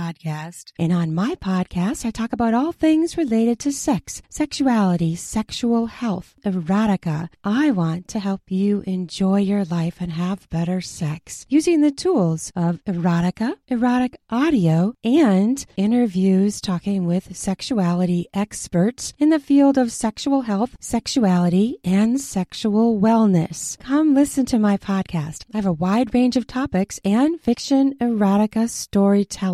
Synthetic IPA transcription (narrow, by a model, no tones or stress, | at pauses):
ɑd̚kʰæstʔɨ̃nə̃nmaɪpʰɑd̚kʰæstaɪtʰɔkəbaʊɾɔlˠθɪ̃ŋzɹɨleɪɾɨd̚tʰɨsɛksːɛkʃʉælˠəɾisɛkʃul̩ˠhɛlˠθʔɨɹɑɾɨkə̰ʔaɪwɑ̃ntʰɨɦɛlˠpʰjɨʔɨ̃nd͡ʒɔɪjə˞laɪfɨ̃nəvbɛɾə˞sɛksjʉzɪ̃ŋðɨtʰulˠz̥ʔʌvɨ˞ɑɾɨkəʔɨɹɑɾɨkʔɑɾioʊɨ̃nɪ̃ɾ̃ə˞vjʉz̥tʰɔkɪ̃ŋwɪð̥sɛkʃuælˠəɾiʔɛkspə˞tsɨ̃nðɨfilˠdʌv̥sɛkʃul̩ˠɦɛlˠθsɛkʃuælˠəɾiɨ̃nsɛkʃul̩ˠwɛlˠnɨskʰʌ̃mlɪsɨ̃ntʰɨmaɪpʰɑd̚kʰæstaɪɨvəwaɪd̚ɹẽɪ̃nd͡ʒʌv̥tʰɑpɨksɨ̃nfɪkʃɨ̃nɨɹɑɾɨkɨstɔɹitʰɛ